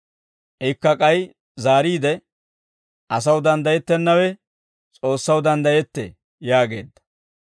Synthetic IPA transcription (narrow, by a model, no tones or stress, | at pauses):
ʔɛjkːɐkʼɐj | zaːɾiːd̪ɛ | ʔɐs̬ɐwd̪ɐnd̪ɐjɛt̪ːɛnːɐwɛ | t͡sʼo̞ːsːɐwd̪ɐnd̪ɐjɛt̪ːɛ̰ | jaːɡe̞̰ːd̪ːɐ̥